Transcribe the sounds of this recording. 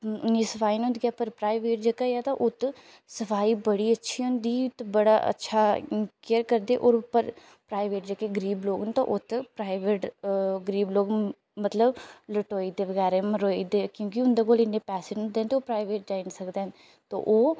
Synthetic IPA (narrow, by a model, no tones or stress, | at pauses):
ʊnːiːsəfaːinũnd̪ɡʲaːpəɾpɾaːɪʋeːʈ̚d͡ʒəkajaːt̪aʔʊt̪ | səfʰaːiːbəɽiːətːʃʰiːʊnd̪iːʊt̪bəɽaːʔə̰tːʃʰaːkeːəɾkəɾd̪eːʔoːɾpːəɾ | pɾaːɪʋeːʈ̚d͡ʒəkeɡəɾiːbloːɡɦənt̪o̰ʔʊt̪pɾaːɪʋeːʈɡəɾiːbloːɡ | mət̪ləbləʈoːid̪eːʋəɣɛːɾẽməɾoːid̪eːkjõːk̬iʊnd̪eːkoːlɪnːepɛːseːnʊ̃nd̪eːnt̪eoːpɾaːɪʋeːʈ̚d͡ʒaːɪnsəkd̪eːn | t̪o̰ːʔoː